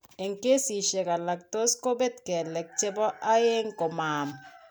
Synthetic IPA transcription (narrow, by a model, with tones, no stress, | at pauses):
e˨ŋke˦si˨ʃe˨ka˨la˨k̚to˦sko˦be˦t̚kɛ˨lɛ˨k̚t͡ʃe˦bɔ˦ʔa˦je˦ŋko˨maː˨m